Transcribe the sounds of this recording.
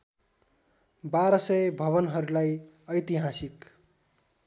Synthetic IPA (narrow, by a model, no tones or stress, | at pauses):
baɾʌsʌjbʱʌβʌnɦʌɾulaj | ʌjt̪iɦasik